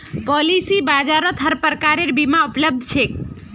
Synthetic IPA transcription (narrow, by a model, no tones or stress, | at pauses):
pɔlisibad͡ʒaɾɔt̪ɦəɾpəɾkaɾeɾbimaupləb̚d̪ʱt͡ʃʰe